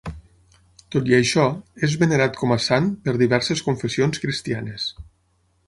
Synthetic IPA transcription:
t̪ot̪iəʃɔezβeneɾat̪kʰɔmasanpəɾðiβɛɾseskuɱfesionskɾist̪ianes

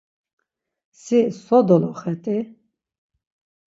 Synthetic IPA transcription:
sisɔd̪ɔlɔχɛt̪ʼi

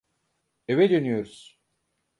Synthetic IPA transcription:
evɛd̪ønyjo̞ɾuz̥

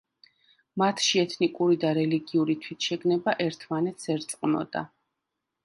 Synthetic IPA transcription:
mat̪ʰʃiɛt̪ʰnikʼuɾid̪aɾɛliɡiuɾit̪ʰwit̪ʰʃɛɡnɛbaʔɛɾt̪ʰmanɛt̪ʰsɛɾt̪sʼqʼnɔ̰d̪a̰

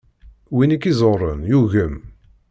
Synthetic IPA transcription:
winikːizˤorˤənjuʝəm

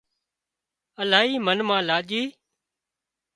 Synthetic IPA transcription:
əlaːɦiːmənmãːlaːʄiː

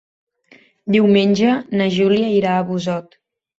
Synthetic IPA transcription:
d̪iwmenʲd͡ʒənəʒuliəiɾaːβuzɔt̪

